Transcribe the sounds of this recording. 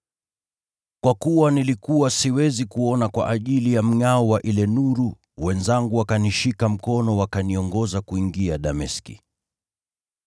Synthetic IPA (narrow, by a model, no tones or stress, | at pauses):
kwakuwanilikuwasiwɛzikuɔnakwa̰ʔaʄilijam̩ŋaɔwaʔilɛnuɾu | wɛnzaŋɡuwakaniʃikam̩kɔnɔwakaniɔŋɡɔzakuiŋɡiaɗamɛskḭ